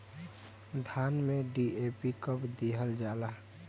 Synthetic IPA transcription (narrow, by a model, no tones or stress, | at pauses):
d̪ʱaːnmẽɖiʔeːpikəpd̪iɦəld͡ʒaːlaː